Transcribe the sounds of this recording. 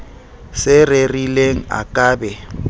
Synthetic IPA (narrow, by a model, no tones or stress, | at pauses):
sɪrerileŋ̩a̰kʼaːbɛ